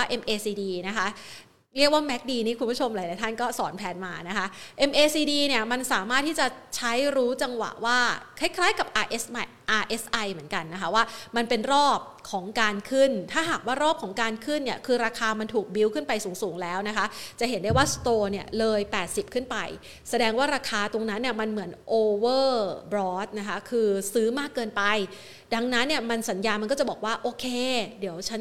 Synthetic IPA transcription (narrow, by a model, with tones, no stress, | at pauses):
a˥˩ʔe˧mʔeː˧siː˧diː˧na˦˥kʰa˦˥ | ɾi˥˩k̚waː˥˩mɛ˦˥k̚diː˧niː˦˥kʰu˧npu˦˥t͡ɕʰo˧mlaː˨˩˦la˨˦t̪ʰa˥˩nkɔː˥˩sɔː˩˦npʰɛː˧nmaː˧na˦˥kʰa˦˥ʔʔe˧mʔeː˧siː˧diː˧ni˥˩ɐma˧nsaː˨˩˦maː˥˩t̪ʰːiː˥˩t͡ɕa˨˩t͡ɕʰa˦˥jɾuː˦˥t͡ɕa˧ŋwa̰˨˩ʔwaː˥˩kʰa˥˩jkʰlaː˦˥jka˨˩p̚ʔaː˧ʔe˦˥sma˧˩jʔaː˧ʔe˦˥sʔa˧jmɯ˩˦ənka˧nːa˦˥kʰa˦˥waː˥˩ma˧npe˧nɾɔː˥˩p̚kʰɔː˩˦ŋkaː˧nkʰɯ˥˩nt̪ʰaː˥˩ɦaː˨˩k̚waː˥˩ɾɔː˥˩p̚kʰɔː˩˦ŋkaː˧nkʰɯ˥˩nːi˥˩ɐkʰɯː˧ɾaː˧kʰaː˧ma˧nt̪ʰuː˨˩k̚bi˧wkʰɯ˥˩npa˧jsuː˩˦ŋsuː˩˦ŋlɛː˦˥wna˦˥kʰa˦˥t͡ɕa˨˩ʔɦe˩˦nda˥˩jwaː˥˩st̪oː˧ni˥˩ɐlɤː˧jpɛː˨˩t̪̚si˨˩p̚kʰɯ˥˩npa̰˧j | sa˧dɛː˧ŋwaː˥˩ɾaː˧kʰaː˧t̪o˧ŋna˦˥nːi˥˩əma˧nmɯ˩˦ənʔoː˧wɤː˥˩bɾɔː˦˥t̪̚na˦˥kʰa˦˥kʰɯː˧sɯː˦˥maː˥˩kːɤː˧npa˧j | da˧ŋna˦˥nːi˥˩ɐma˧nsa˩˦njaː˧nma˧nkɔ˥t͡ɕa˨˩bɔː˨˩k̚waː˥˩ʔoː˧kʰeː˧di˨˩˦əwt͡ɕʰa˦˥n